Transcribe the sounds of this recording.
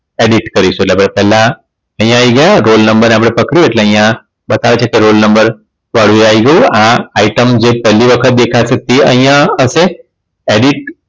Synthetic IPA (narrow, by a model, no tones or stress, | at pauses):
eɖiʈkəɾisoʈlapəɽepɛːla | əɦj̃ãːiɡəjaɾolnəmbəɾnẽapɽ̃epəkɽoeʈlẽəj̃ã | bət̪aʋat͡ɕʰakeɾolnəmbəɾ | ʋaɽueaiɡəuãaiʈəmd͡ʑepɛlːiʋəkʰət̪̚d̪ekʰasək̚t̪iə̰̃ɦj̃ãəse | eɽiʈ̚